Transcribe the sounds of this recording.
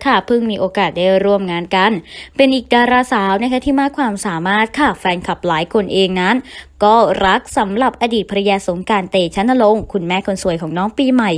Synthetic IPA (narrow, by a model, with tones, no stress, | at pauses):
kʰa˥˩pʰɯ˥˩ŋmiː˧ʔoː˧kaː˨˩t̪̚daː˥˩jɾu˥˩əmŋaː˧nka˧npe˧nʔiː˨˩k̚daː˧ɾaː˧saː˨˩˦wna˦˥kʰa˦˥t̪ʰiː˥˩maː˥˩kʰwaː˧msaː˨˩˦maː˥˩t̪̚kʰa˥˩fɛː˧nkʰa˨˩p̚laː˩˦jkʰo˧nʔeː˧ŋna˦˥nkɔː˥˩ɾa˦˥k̚sa˩˦mɾa˨˩p̚ʔa˧diː˨˩t̪̚pʰa˧ɾa˧jaː˧so˩˦ŋkaː˧nt̪eː˧t͡ɕʰa˦˥nːa˧lo˧˩ŋkʰu˧nmɛː˥˩kʰo˧nsu˧˩əjkʰɔː˩˦ŋnɔː˦˥ŋpiː˧ma˨˩j